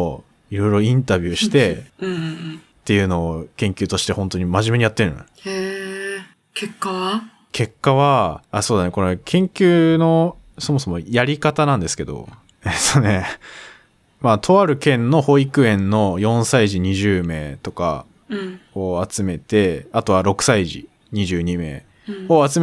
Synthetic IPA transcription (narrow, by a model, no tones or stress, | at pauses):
iɾo̞jɾo̞ĩnt̪abʲjɨːɕi̥t̪e̞ɯ̃ | t̪ːe̞jɯ̟ːno̞ːkẽŋkʲɨːt̪o̞ɕi̥t̪e̞hõnt̪o̞ɲ̟imaʑime̞ɲ̟ijat̪ːeɾɯ̰no̰ | e | kekːa | kʰe̞kːaβaaso̞ːd̪aneko̞ɾekʰẽ̞ŋkʲɨːno̞ | so̞mo̞so̞mo̞jaɾʲikat̪anãnd̪e̞sɨ̥ke̞d̪o̞̰ | et̪ːone̞ | mat̪ʰo̞βaɾɯ̟kẽ̞nːo̞ho̞ikɯ̟ẽ̞nːo̞jõ̞ɰ̃saiʑiɲ̟iʑɨːme̞ːt̪o̞ka̰ | oat͡sɨme̞t̪e̞at̪o̞βaɾo̞kɯ̟̥saiʑḭ | ɲ̟iʑɨːɲ̟ime̞̰ː | oat͡sɨm